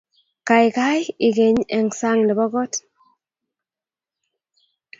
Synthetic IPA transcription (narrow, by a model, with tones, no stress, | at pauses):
ka˨ɪ˨ka˦ji˨ɡe˨ɲɛ˨ŋsa˦ŋdɪ˨bɔ˦ɡɔ˦t